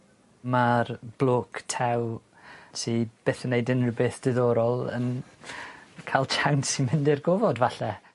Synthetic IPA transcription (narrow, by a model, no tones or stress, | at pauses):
marb̥lˠoːkʰtʰɛw | sib̥eːθənːejdənrəbɪθd̥ɪðɔɾɔlˠə̰n | kʰalˠt͡ʃʰawnsimɪndɪrɡovɔdvaɬɛ